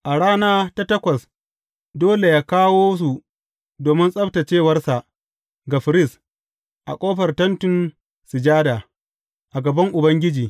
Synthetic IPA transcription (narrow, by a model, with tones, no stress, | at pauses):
ʔa˨ɽaː˦naː˦ta˦tɐ˦kʷɐ˨s | doː˦le˨jaː˦kaː˦woː˦s̬u˨ | doː˨mɪ˦nsʼɐ˦ɸta˨t͡ʃeː˦˨wɐ˦rsa˨ʔ | ɡa˨ɸɪ˨ɾɪ˦s | ʔa̰˨kʷʼoː˦ɸɐ˨rtɐ˦ntʊ˨n | sɪ˨d͡ʒaː˦daː˨ | ʔa˨ɡɐ˨bɐ˦ŋʔʊ˨bɐ˦ŋɡʲɪ˦d͡ʒiː˨